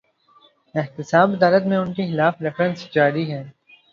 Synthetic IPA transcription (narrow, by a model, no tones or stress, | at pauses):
ɪɦt̪ɪsaːbɐd̪aːlət̪mẽʊnkexɪlaːfɾɪfɾə̃nsd͡ʒaːɾiɦɛː